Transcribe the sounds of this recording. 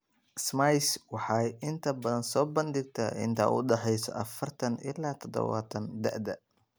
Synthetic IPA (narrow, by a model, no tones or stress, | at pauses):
smajswɑħɑjɪnt̪ʰɐbɐðɐnsɔːbɐnd̪ɪɡ̚t̪ʰɐɪ̰nt̪ʰa̰ʔʊ̰ɖɛħɛjsɔ̰ʔɐfɐrt̪ʰɐnʔɪ̰lːaːt̪ʰɔd̪ɔ̰wa̰ːt̪ʰɐnd̪ɐ̰ʔd̪ɐ